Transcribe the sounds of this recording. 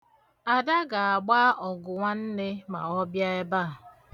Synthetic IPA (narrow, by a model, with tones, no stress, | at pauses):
a˨da˦ɡa˨a˨ɡ͡ba˦ɔ˨ɡʊ˨ŋʷa˦n̩˦ne˦ma̰˨ɔ˦bja˦e˦ba˦˨